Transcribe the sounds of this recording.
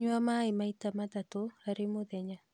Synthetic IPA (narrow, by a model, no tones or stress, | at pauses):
ɲwamaemaitamat̪atoaɾemoðɛɲa